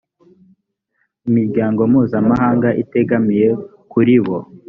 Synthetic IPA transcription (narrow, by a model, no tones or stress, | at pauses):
imiɾɟaːŋɡo̞muːzamaɦaːŋɡaʔite̞ɡamije̞ | kuɾiβo̞